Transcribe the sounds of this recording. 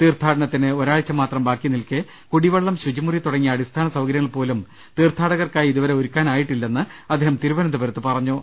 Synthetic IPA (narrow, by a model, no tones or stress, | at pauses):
t̪iːrt̪ʰaːɽɐɳɐt̪ːinɨoɾaːɭt͡ɕːɐmːaːt̪rɐmbaːkːjinilkɨ | kuɽiʋɐɭːɐmɕud͡ʑimurit̪uɽɐŋːiɐɽist̪ʰaːnɐsɐʋɡɐɾjɐŋːɐɭpo̞ːlum | t̪iːrt̪ʰaːɽɐɣɐrkaːjiðuʋɐɾe̞oɾukʲːaːnaːjiʈːilːe̞nːɨɐd̪ːeːɦɐmt̪iɾuʋɐnɐnd̪ɐbɐɾɐt̪ːɨpɐrɐɲːu